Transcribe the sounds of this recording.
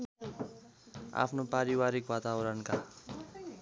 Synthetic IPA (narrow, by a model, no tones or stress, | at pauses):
a̰pʰnopaɾiwaɾikwat̪awɾʌnka